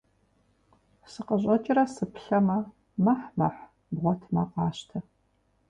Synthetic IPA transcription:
sɨqəʑʼɐt͡ʃʼɪrɐsɨpʰɬɐmɐ | mɐħmɐħ | bʁʷɔtʰmɐqɑːɕtʰɐ

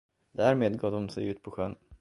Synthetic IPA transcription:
d̪æɾmeːd̪ɡɑːd̪ɔmsɛjʉ̟ːt̪pʰɔɧœn

